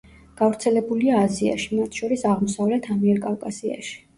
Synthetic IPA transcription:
ɡ̥avɾt̪sʰɛlɛbuliaːzia̰ʃimat̪ʰʃɔɾisaʁmɔsavlɛt̪ʰamiɛɾkʼafkʼasia̰ʃi̥

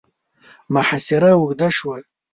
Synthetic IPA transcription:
maħasiɾawuɡʼdaʂwa

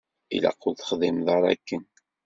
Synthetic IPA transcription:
ḭlæ̰qːʊlθə̥χðˤimðˤɑɾˤɑ̰kːən

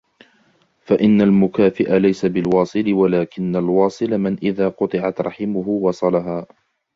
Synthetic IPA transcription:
faʔɪnːalmʊkaːfɪʔalajsabɪlwɑːsˤɨlɪwalaːkɪnːalwɑːsˤɨlamɪnʔɪðaːqʊt̪ˤɨʕat̪ɾˤɑħɪmʊɦʊwɑsˤɑlaɦaː

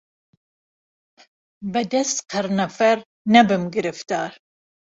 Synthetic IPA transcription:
bɨd̪ɛst̪qʰəɾnɐfɛɾ | nɛbɨmɡɨɾɨft̪ɑːɾ

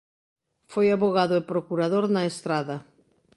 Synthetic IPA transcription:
fojaβoɣaðʊepɾokuɾaðoɾnaest̪ɾaðɐ

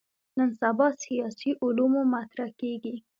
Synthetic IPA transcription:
nənsabɑsijɑsiʔʊlumomat̪ɾakeɡi

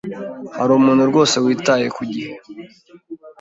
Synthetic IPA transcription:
haɾuːmuːn̤uɾɡo̞ːse̞wiːtaje̞kuɟihe

